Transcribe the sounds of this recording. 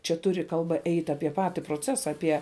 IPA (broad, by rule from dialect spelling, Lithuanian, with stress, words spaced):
ˈt͡ʃʲɛ ˈtʊrʲɪ kɐlˠˈbɐ ˈɛɪtʲ ˈɑːpʲiɛ ˈpɑːtʲɪ proːˈt͡sʲæːsɐ ˈɑːpʲiɛ